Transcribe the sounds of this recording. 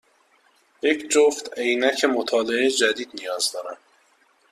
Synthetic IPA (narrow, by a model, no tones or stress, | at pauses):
jecʰd͡ʒoft̪ejnæcʰemot̪ʰɒːleed͡ʒæd̪iːd̪nijɒːzd̪ɒːɾænd̪